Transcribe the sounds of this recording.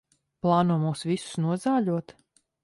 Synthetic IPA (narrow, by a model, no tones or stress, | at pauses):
plˠɑːnuɔmuːsvisʊ̥snuɔzaːʎʲuɔt̪